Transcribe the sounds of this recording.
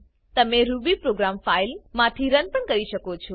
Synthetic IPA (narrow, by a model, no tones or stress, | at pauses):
t̪əmeɾubipɾoɡɾamfailmãt̪ʰiɾənpəɳkəɾiʃəkot͡ʃʰo